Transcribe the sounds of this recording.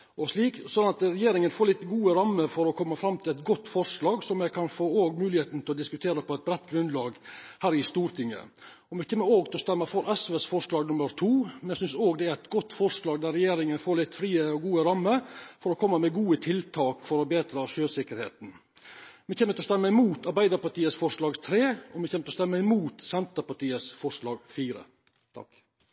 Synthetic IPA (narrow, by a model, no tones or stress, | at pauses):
ɔʂɭiːksɔnɑt̪əɾɛjeːɾɪŋənfoːɾɭɪt̪ːɡuːəɾɑmːəɾfɔɾɔkʰɔmːɑfɾɑmːt̪ʰɪlɛt̪ɡɔt̪ːfɔɾʂlɑːɡsɔmjɛɡkʰɑnfoːoːɡmʉːlɪheːt̪n̩t̪ɪlɔd̪ɪskʉt̪ʰeːɾəpɔɛt̪̚bɾɛt̪ːɡɾʉnd̪lɑːɡhæːɾɪst̪uːɾt̪ʰɪŋːə̰ | ɔmɛçɛːmːəɾoːɡt̪ɪlɔst̪ɛmːəfɔɾʔɛsʋeːsfɔʂlɑːɡnʊməɾt̪ʰuːmɛnæsʏnsoːɡd̪ɛæɾɛt̪ɡɔt̪ːfɔɾʂlɑːɡd̪æɾɛjeːɾɪŋənfoːlɪt̪ːfɾiːəɔɡuːəɾɑmːəɾfɔɾɔkʰɔmːəmɛɡuːət̪ʰɪlt̪ʰɑːkfɔɾɔbeːd̪ɾəʂøːsɪkəɾhḛːt̪n̩ | mɛçeːmːət̪ɪlɔst̪ɛmːəɪmuːt̪ɑɾbæɪd̪əɾpɑʈiːəsfɔʂlɑːɡt̪ʰɾeːɔmɛçeːmət̪ɔst̪ɛmːəɪmuːt̪sɛnt̪əpɑʈiːəsfɔʂlɑːɡfiːɾə̰ | t̪ʰɑ̰k